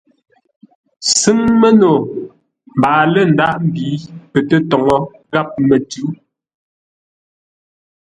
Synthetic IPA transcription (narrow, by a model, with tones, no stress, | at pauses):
sɨ˦ŋmɛ˦no˨ | m̩˨baː˨lɛ˦˨n̩˨da˦˨ʔm̩˨biː˨˦pɛ˨tɛ˦tɔ˨ŋɔ˦ | ɣa˦p̚mɛ˨tʉ˨˦